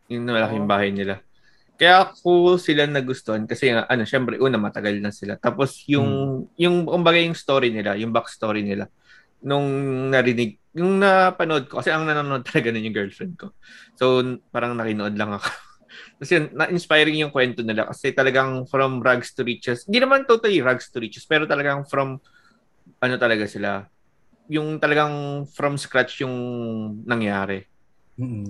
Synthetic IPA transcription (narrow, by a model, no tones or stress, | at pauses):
jʊnnɐmɐlɐkɪɪŋbaːhɐjnɪla | kɐjakosɪlanɐɡʊst̪oʔɐnkɐsɛŋaʔɐno̞ʃɛmpɾɛʔuːnɐmɐt̪ɐɡalnɐsɪlat̪aːposjʊŋjʊŋkʊmbaɡajʊŋst̪o̞ːɾinɪlajʊŋbakst̪o̞ːɾinɪla | nʊŋnɐɾɪnɪɡ̚jʊŋnɐpɐnoʔo̞d̪̚kokɐsɛʔɐŋnɐnoːnoʔod̪̚t̪ɐ̥lɐɡanonjʊŋɡɛːɹlfɾɛnd̪̚ko̞ | so̞wpaːɾɐŋnɐkɪnoʔo̞d̪̚lɐŋɐko̥ | k̪ɐsɛnːɐʔɪnspajɾɪŋjʊŋkwɛnt̪onɪla̰kɐ̰sɛt̪ɐlɐɡaŋfɾɐmɾaɡst̪ʊɾiːt͡ʃɛshɪnd̪inɐmant̪owt̪ɐliɾaɡst̪ʊɾiːt͡ʃɛspɛːɾot̪ɐlɐɡaŋfɾɐm | ʔɐno̞t̪ɐlɐɡasɪla | jʊŋt̪ɐlɐɡaŋfɾɐmskɾat͡ʃjʊŋnɐŋjaːɾɛ